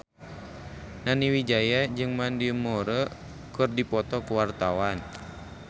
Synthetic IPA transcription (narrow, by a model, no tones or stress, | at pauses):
naniwid͡ʒajad͡ʒɨŋmandiəmɔɾə | kɨrdipɔt̪ɔkuwart̪awan